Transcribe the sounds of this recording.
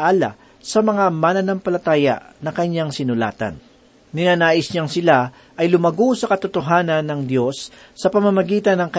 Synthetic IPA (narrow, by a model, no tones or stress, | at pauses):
ʔaːlɐ̰ | sɐmɐŋamanɐnɐmpɐlɐt̪aːjɐ̰ʔnɐkɐɲːaŋsɪnʊla̰ːt̪ɐ̰nː | ɪnaːnaːʔɪsɲaŋsɪla | ʔɐjlʊmɐɡosɐkɐt̪ʊt̪oɦaːnɐnːɐŋd̪jo̞sː | ɐpɐmɐmɐɡiːt̪ɐnːɐŋkɐ